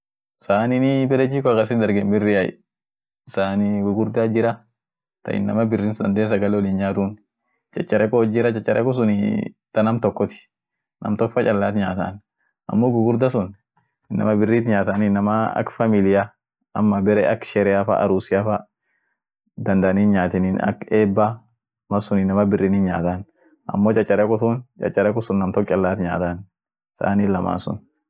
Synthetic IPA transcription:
saːninɪbɛɾɛd͡ʒiːkɔɡɐsɪnd̪ɐɾɡɛmbɪrːɪɐj̰ | saːniɡʊɡʊɾd̪ad͡ʒɪɾɐ | t̪ɐ̰ʔɪ̰nːɐmɐbɪrːinsd̪ɐnd̪eːnsɐɡɐlɛwɔlinɲaːt̪un | t͡ʃʼɐt͡ʃʼːɐɾɛkɔd͡ʒɪɾɐt͡ʃʼɛt͡ʃːɐɾʔɛ̰kɔs̬ʊnɪ̰t̪ɐnɐmt̪ɔkːɔt̪ɪ̥ | nʔɐ̰mt̪ɔkfɐt͡ʃʼɐlːaːt̪ɲaːt̪ɐ̰n | ʔɐ̰mːoɡʊɡʊɾd̪asʊn | ɪnːɐ̰mɐbɪrːiːt̪ɲaːt̪ɐnɪnːɐmɐɐ̰kfɐmɪlɪjɐ | ɐmːɐbɛɾɛɐkʃɛɾɛjafɐ̰ʔɐ̰ɾuːsɪafɐ | d̪ɐnd̪ɐniːnɲaːt̪ɪninɐ̰keːbːa | mɐsʊnɪnːɐmɐbɪrːiːnɪnɲa̰ːt̪ɐn | ʔɐ̰mːoːt͡ʃʼɐt͡ʃʼːɐɾɛkʊt̪ʊnt͡ʃʼɐ̰t͡ʃʼːɐɾɛkʊsʊnːɐmt̪ɔkːt͡ʃʼɐlːaːt̪ɲa̰ːt̪ɐn | sa̰nilɐma̰ːnsʊ̰n

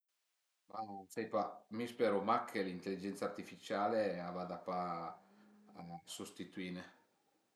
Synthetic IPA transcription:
masɛjpamispɛːɾomakʰːelint̪elːid͡ʒɛnt̪sart̪ifit͡ʃaːleavad̪apa | sost̪it̪uiːne

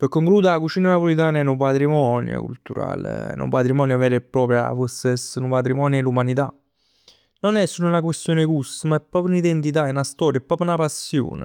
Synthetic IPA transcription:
pekːoŋkluːd̪akut͡ʃiːnunapolit̪̬aːnɛnupat̪ɾimɔnjo̰kṵlt̪uɾa̰ːlḛɛ̰nṵpat̪ɾimɔːnjovɛɾepːɾɔːpɾja̰foɾssːenupat̪ɾimɔːnjelumanit̪a | nonɛsːulːunak̬west̪joːnekusːəmaɛpːɾɔːpɾjunid̪ent̪it̪̬aenast̪ɔːɾjɛpːɾɔːpjunapasːjo̰ːnḛ

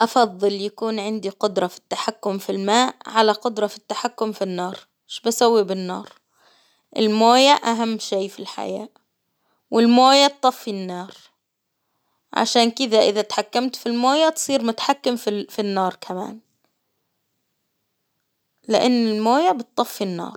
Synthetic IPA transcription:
ʔɑfɑðˤːɨljakuːnʕɪnd̪iqʊd̪ɾˤɑfi̥t̪ːaħakːʊmfilmaːʔʕalaqʊd̪ɾˤɑfi̥t̪ːaħakːʊmfinːɑːɾˤ | mɪʃbasawːibɪnːɑ̰ːɾˤ | ʔɪ̰lmoːjaʔaɦamːʃeːfilħa̰ja̰ːʔ | wɪlmoːjat̪ˤːɑfːinːɑːɾ | ʕa̰ʃaːnkɪd̪aʔɪðat̪ḁħakːamt̪filmoːjat̪sˤiːɾmʊt̪ḁħakːɪmfifinːɑːɾˤkʰama̰ːn | lɪʔanːɪlmoːjabɪt̪̚ːˤɑfːinːɑ̰ːɾˤ

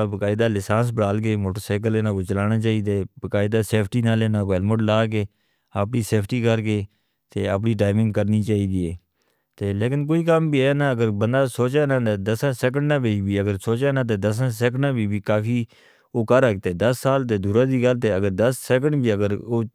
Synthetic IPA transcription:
bəkaːɪd̪aːlɪsaːs̬bəɽaːlkeːmoːʈoːsaːk̬əleːnãːkoːt͡ʃəlaːnaːt͡ʃaːiːd̪eːbəkaːɪd̪aːseːpʰʈiːnaːleːnãːkoɛlməʈlaːkeː | əpɳiːseːpʰʈiːkəɾk̬eː | t̪eːəpniːʈ̬aːɪmɪ̃ŋɡkəɾniːt͡ʃaːiːd̪iːɛː | t̪eːleːkɪnk̬oːiːkəmbiːɛːnãːəɡəɾbənd̪aːsoːt͡ʃeːnãːd̪əsãːsɛːk̬əɳɖnãːbeibiːəɡəɾsoːt͡ʃeːnãːt̪̬eːd̪əs̬ãːsɛːk̬əɳnãːbʱiːbiːkaːfiː | oːkəɾəkt̪eːd̪əsːaːlt̪̬eːd̪uːɾãːd̪iːɡəlt̪eːəɡəɾd̪əsːɛːk̬ə̃ɳɖbʱiːəɡəɾoː

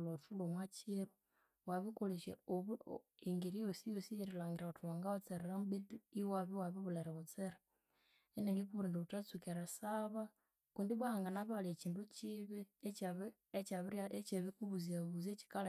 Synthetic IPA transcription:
lotulomwat͡ʃiɾu | waβikoleʃḛoβiŋɡiɾijosijosijeɾilaːŋɡiɾaotuaŋɡawat͡seɾeɾambituiwaβiwaβiβuleɾeβot͡seɾa | eneŋɡikuβuɾiːndoβutat͡sukeɾasaβa | kuːndiβwaaŋɡanaβalet͡ʃiːndut͡ʃiβeβ | et͡ʃaβiɾet͡ʃeβikuβuziaβuzet͡ʃi̥kala

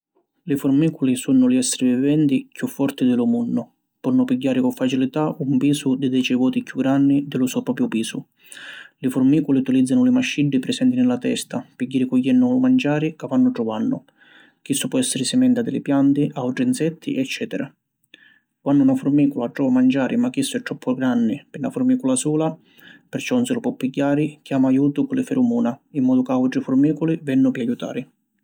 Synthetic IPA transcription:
lɪfʊrmiːkulisunːʊliɛsːɪɾivivɛnt̪ikjufːɔrt̪id̪ɪlʊmunːʊ | pɔnːʊpiɟːaːɾɪkʊɱfat͡ʃilit̪aʔumpiːsʊd̪ɪd̪ɛt͡ʃɛvɔːt̪ikjuɡːɾanːid̪ɪlʊsɔpɾɔːpɾjʊpiːsʊ | lɪfʊrmiːkuliut̪ilid̪zːanʊlɪmaʃːiɖːipɾɪsɛnt̪inɪlat̪ɛ̰st̪apiɟːaːɾikʊjːɛnːʊmand͡ʒaːɾikavanːʊʈːʊvanːʊ | k̟isːʊpɔɛsːɪɾɪsɪmɛnt̪ad̪ɪlɪpjant̪iʔawʈɾinsɛt̪ʰːḭʔɛt͡ʃːɛːt̪ɛɾa | kwanːunafʊrmiːkʊlaʈɾɔvamand͡ʒaːɾʔimakːisːʊɛt̪ːɾɔpʰːʊɡɾanːɪpɪnːafʊɾmiːkʊlasuːla | pɛrt͡ʃɔunsɪlʊpɔpːiɟːaːɾɪkjaːmaːjuːt̪ʊkʊlɪfɛɾumuːnaimːɔːd̪ʊkawʈɾifʊɾmiːkʊlivɛnːʊpɪajut̪a̰ːɾɪ

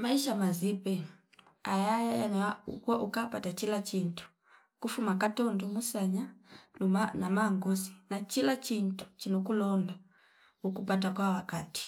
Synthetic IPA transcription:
maiʃamazipɛ | ajajajanaṵkaʔukapatat͡ʃilat͡ʃintu̥ | kufumakatɔndɔmusaɲa | anamaŋɡɔsinat͡ʃilat͡ʃintu̥t͡ʃinɔkulɔnda | ukupat̬akwawakati̥

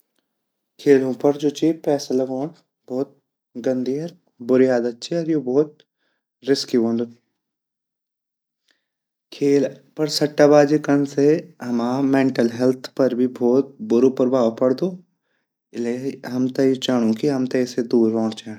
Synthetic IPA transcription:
kʰeːlõpɐɾd͡ʒoːt͡ʃeːpɛːsalɐɡõːɽ | bɔːt̪̚ | ɡɐ̃nd̪iːɐɾ | bʊɾijaːd̪ɐtːʃʰiɔːɾjobɔːt̪̚ | ɾɪskibõːnd̪o | kʰeːlpɐɾsɐʈːabaːd͡ʒikɐnseɦɐmaːmẽːɳʈəlɦɛlt̪ʰpɐɾbʱibʱɔːt̪̚bʊɾopɾbʱaːpɐɽd̪oː | ɪleɦɐmt̪ɐit͡ʃɐɽ̃õkiɦɐmt̪ɐised̪uːɾɦɔ̃ːɽt͡ʃa

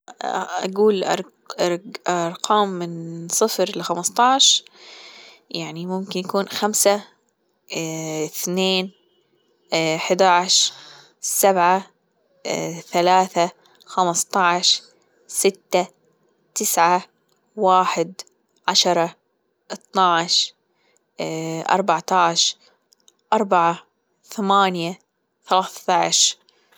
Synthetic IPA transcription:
a̰ɡuːlʔɑ̰ɾ | ɾɾˤqʰɑːmːɪnsˤɨfɾlxamɑst̪ˤɑʕʃ | jaʕnimʊmkɪnjakuːnxamsa | ɪθneːn | ħd̪aʕʃɾ | sabʕa | θalaːθa | xamst̪ˤɑʕʃ | sɪt̪ːa | t̪ɪsʕa | waːħɪd̪ | ʕaʃɑɾˤɑ | ʔɨt̪ˤnaʕʃ | ʔɑ̰ɾˤbɑʕt̪ɑʕʃ | ʔɑɾˤbaʕa | θamaːnja | θalaːθt̪ɑʕʃ

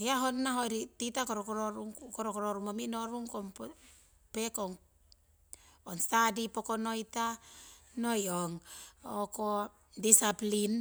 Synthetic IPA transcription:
jaɦonːaɦojɾititakoɾokoɾoɾuŋkoɾokoɾoɾumomino̞ɾuŋkomp | pekoŋ | onstadipokono̞jta | nojoŋoko | disaplin

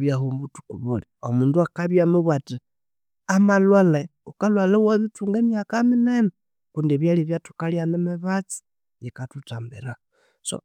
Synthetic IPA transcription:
βjahumbutu̥kuβuliomuːnduakaβjamuβwati | amalwale | ukalwalewaβituːŋɡemjakaminene | kundieβjaliβjatu̥kaljanemeβat͡si̥ | βikatutaːmbeɾa | so̰

